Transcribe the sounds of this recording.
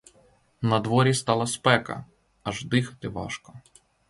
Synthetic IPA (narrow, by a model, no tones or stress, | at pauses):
nɐd̪ʋɔɾʲist̪ɑlˠɐspɛkɐ̰ | ɐʒd̪ɪxɐt̪ɪʋɑ̰ʃkɔ